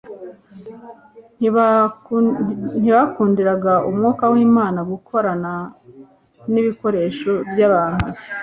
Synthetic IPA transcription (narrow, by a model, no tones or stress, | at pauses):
n̥iβakuːndiɾaɡaʔumŋoːkawiːmaːnaɡukʰo̞ɾana | niβiko̞ɾe̞ːʃo̞bjaβaːnhuβe̥